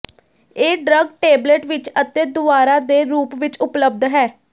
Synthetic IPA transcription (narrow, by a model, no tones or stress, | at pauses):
eːɖɾəɡʈeːbleʈʋɪt͡ʃət̪eːd̪ʊʋaːɾaːd̪eːɾuːpʋɪt͡ʃʊpləb̚d̪ɦɛː